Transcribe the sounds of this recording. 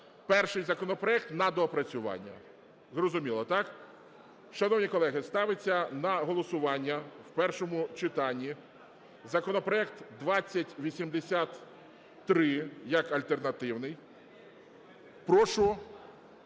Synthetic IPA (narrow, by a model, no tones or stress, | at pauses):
pɛrʃɪjzɐkɔnɔpɾɔɛk̚t̪nɐd̪ɔpɾɐt͡sʲʊʋɑ̰nʲːɐ̰ | zrɔzʊmʲilˠɔt̪ɑk | ʃɐnɔwnʲikɔlˠɛɦɪst̪ɑʋɪt͡sʲːɐnɐɦɔlˠɔsʊʋɑnʲːɐwpɛrʃɔmʊt͡ʃɪt̪ɑnʲːi | zɐkɔnɔpɾɔɛk̚t̪d̪ʋɑt͡sʲːɐtʲʋʲisʲimd̪esʲat̪ː | ɾɪjɐkɐlʲt̪ernɐt̪ɪwnɪj | pɾɔʃʊ